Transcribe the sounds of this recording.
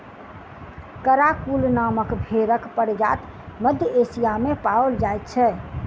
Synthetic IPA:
kəɾakulnaməkbʱeɾəkpəɽd͡ʒa̰t̪ | məd̪ʱjəesijamepaəld͡ʒajt̪̚t͡ʃʰɛ

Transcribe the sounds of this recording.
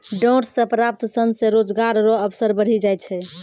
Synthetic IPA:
ɖɔʈsəpɾap̚t̪sənsẽɾod͡ʒɡaɾɾɔəbsəɾbəɽ̤id͡ʒajt̪t͡ʃʰɛ

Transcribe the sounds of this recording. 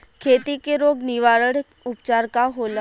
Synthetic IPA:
kʰeːt̪ikeɾoːɡnɪʋaːɾəɽ | ʊpt͡ʃaːɾkaɦoːl

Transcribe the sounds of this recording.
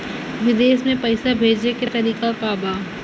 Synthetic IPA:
ʋɪd̪eːsmẽpɐɪsabʱeːd͡ʒneket̪ɐɾiːkapaːbaː

